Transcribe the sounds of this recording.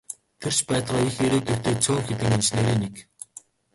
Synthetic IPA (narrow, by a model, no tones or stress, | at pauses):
t̪ʰer̥t͡ɕpæːt̪ʁɔːixeɾeːt̪ʰɵt̪eːt͡sʰʊːxet̪ɘ̆ŋent͡ɕneːɾeːnek